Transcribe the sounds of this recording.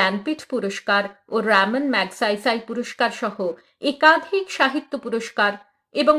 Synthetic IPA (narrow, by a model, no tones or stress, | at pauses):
ɛnpiʈʰpuɾoʃkaɾoɾamənmɛɡsajsajpuɾoʃkaɾʃɔho | ekad̪ʱikʃaɦit̪ːopuɾoʃkaɾ | eboŋ